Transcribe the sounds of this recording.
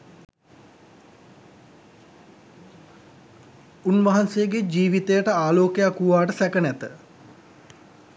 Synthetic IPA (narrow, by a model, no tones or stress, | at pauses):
unʋaɦansejəɡed͡ʒiːʋit̪ejəʈəaːloːkejakuʋaːʈəsɛkənæt̪ə